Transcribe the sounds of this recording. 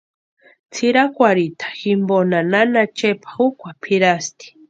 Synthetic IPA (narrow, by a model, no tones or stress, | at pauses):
t͡sʰiɾakʷaɾit̪ʰḁximbonananat͡ʃepʰḁukʷapʰiɾast̪i̥